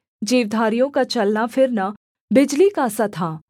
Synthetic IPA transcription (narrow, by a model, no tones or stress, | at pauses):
d͡ʒiːʋd̪ʱaːɾijõkat͡ʃɐlnafʰɪɾna | bɪd͡ʒlikasɐt̪ʰaː